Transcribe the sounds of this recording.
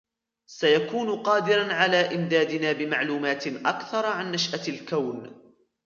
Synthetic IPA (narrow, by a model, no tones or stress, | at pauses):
sajakuːnʊqɑːd̪ɪɾanʕalaːʔɪmd̪aːd̪ɪnaːbɪmaʕluːmaːt̪ʔa̰kθɑɾˤʕanːaʃʔalkawn